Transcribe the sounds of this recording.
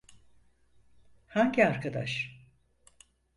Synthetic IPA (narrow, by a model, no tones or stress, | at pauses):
haɲɟiaɾkʰad̪a̰ʃ